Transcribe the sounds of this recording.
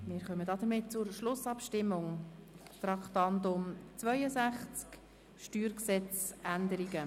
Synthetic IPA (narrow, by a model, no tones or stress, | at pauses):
mɪːɾχœmədɑd̥̪əɾmɪtt͡sʊɾʃlʊsɑpʃtɪmːʊŋ | t̪ɾɑkχt̪ɑnt̪ʊmt͡svœʏəsæχt͡sk | ʃtyːɾksɛt͡sænd̪əɾiɡə